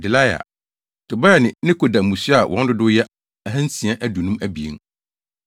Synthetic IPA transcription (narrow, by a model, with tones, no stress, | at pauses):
dɪ˨la˦ja̰˨ | tʊ˨ba˦a˨nɪ̃˨nɪ̃˦kʰo˨da˨mũ˨si˦a˨wʔɔ̰̃˨˦n˦dʊ˦dʊ˦jɛ˦ | a˨ɦæ̃˦n̩˦sĩ˨a˦ʔæ˦du˨nũ˦mæ˦bi˨ḛ˦ŋ